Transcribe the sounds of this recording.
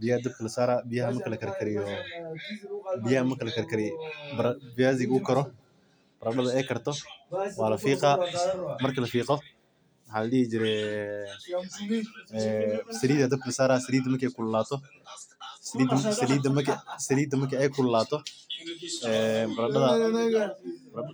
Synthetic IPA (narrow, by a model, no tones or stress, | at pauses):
bɪjhd̪ɐb̚kʰɐlɐsaːɾabɪjɐɦɐmɐkʰɐlɐkʰɐɾkʰɐɾɪjɔ | bɪjɐhɐmɐrkʰɐlɐkʰɐɾkʰɐɾɪjbɾɐbɪjaːzɪɣʊkʰɐɾɔ | b̥ɐɾɐɗɐðɐɛjkʰɐrt̪ʰɔwɑːlɐfiːqɑmɐrkʰɐlɐfiːqɔ | wɐħaːlɐɗihid͡ʒɪɾɛ | sɐliːd̪ɐd̪ɐbklɐsaːɾaːsɐliːd̪ɐmɐrkʰɛjkʰʊlʊlaːt̪ʰɔ | sɐliːd̪sɐliːd̪ɐmɐksɐliːd̪ɐmɐkʰɐɛjkʰʊlʊlaːt̪ʰɔ | ɛːbɐɾɐɗɐðɐ | bɾ